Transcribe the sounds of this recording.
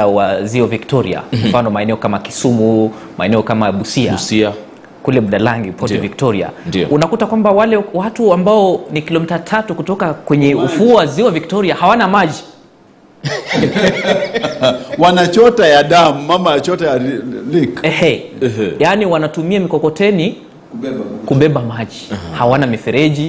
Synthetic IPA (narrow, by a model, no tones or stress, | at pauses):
awaziɔviktɔɾḭa̰mfanɔmaɛnɛɔkamajaki̥sumu | mʔa̰ɛnɛɔkamajaɓusia̰sia | kulɛɓuɗalaŋɡipɔtɛvik̚tɔɾia̰ndiɔ̰ʔunakutakwambawalɛwatuambaɔnikilɔmitatʰatukutɔkakwɛɲɛufuwaziɔviktɔɾiahawanamaʄi | wanat͡ʃɔtajaɗamuːamajat͡ʃɔtajalikɛhɛɛjaniwanatumiamikɔkɔtɛni | kuɓɛɓamaʄihawanamifɛɾɛʄi